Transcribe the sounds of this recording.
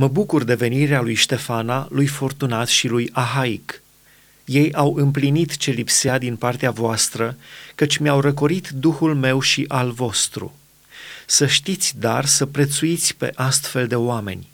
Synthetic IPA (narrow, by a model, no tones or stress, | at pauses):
məbukurd̪e̞ve̞niɾealujʃt̪e̞fanalujfo̞rt̪unat̪ʃilujaɦaik | je̞jawɨmplinit̪t͡ʃe̞lipsead̪inpart̪eavoast̪ɾəkət͡ʃʲmeawɾəkoɾit̪d̪uxulme̞wʃiʔalvo̞st̪ɾṵ | səʃt̪it̪sʲd̪arsəpɾe̞t̪suit̪sʲpe̞̰ʔast̪fe̞ld̪e̞oame̞̰nʲ